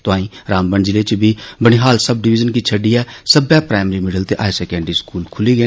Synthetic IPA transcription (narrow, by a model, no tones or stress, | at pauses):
t̪ʊãːĩːɾaːmbəɳd͡ʒɪleːt͡ʃbʱiːbəɽ̃iːɦaːlsəb̚ɖɪʋɪd͡ʒənkiːt͡ʃʰəɖiːɛːsəbɛːpɾaːɪmɾiːmɪɖəlt̪eːʔaːesɛːkɛ̃ːɳɖɾiːskuːlkʰʊliːɡəː